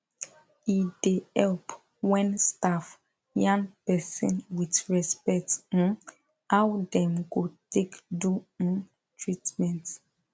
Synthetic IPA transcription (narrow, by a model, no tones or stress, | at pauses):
idehɛlp | wɛ̃nstaf | jãŋpɛsɔ̰̃nwitɹɛspɛkt̩ | awdɛ̃mɡotekdũ | tʰɹitmɛ̃nt